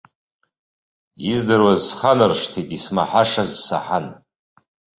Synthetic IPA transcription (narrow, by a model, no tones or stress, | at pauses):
izdɨrwazsχanɨrʂtʰitʼismaħaʂazsa̰ħan